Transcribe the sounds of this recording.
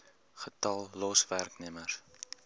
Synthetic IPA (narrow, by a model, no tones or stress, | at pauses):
χətɐlˠːɔsværknimər